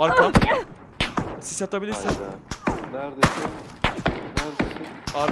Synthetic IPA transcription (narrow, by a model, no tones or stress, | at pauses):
aɾka | sizjat̪abilʲiɾsin | aɾ